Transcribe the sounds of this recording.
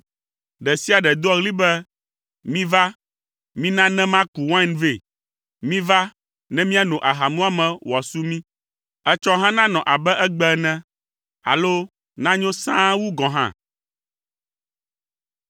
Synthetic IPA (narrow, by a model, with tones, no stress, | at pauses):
ɖɛ˨si˦a˨ɖɛ˨d̪o˦ɔ˦ɣli˦bɛ˦ | mĩ˦va˦ | mĩ˦nã˦nɛ̃˦mã˦ku˨wã˦nve˦˨ | mĩ˦va˦ | nɛ̃˦mĩ˦a˦˨nõ˨ʔa˨ɦa˨mũ˦a˦mɛ̃˨wa˨su˦mĩ˦ | ɛ˦t͡ʃɔ˦ɦã˦nã˦nɔ̃˨ʔa˨bɛ˦ʔɛ˦ɡ͡bɛ˦nɛ̃˦ | a̰˨lo˦ | nã˦ɲõ˦sã˦wu˦ɡɔ̃˨ɦã̰˦